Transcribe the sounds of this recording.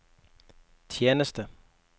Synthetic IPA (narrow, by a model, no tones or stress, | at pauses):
t͡sʰjeːnəsd̥ə